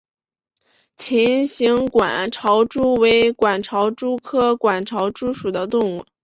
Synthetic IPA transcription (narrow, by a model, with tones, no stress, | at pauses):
t͡ɕʰi˧˥nɕi˧˥ŋkwa˨˩nʈ͡ʂʰɑ˧˥ʊʈ͡ʂu˥we˧˥ɪkwa˨˩nʈ͡ʂʰɑ˧˥ʊʈ͡ʂu˥kʰɤ˥kwa˨˩nʈ͡ʂʰɑ˧˥ʊʈ͡ʂu˥ʂu˨˩d̪ə˦t̪ʊ˥˧ŋu˥˩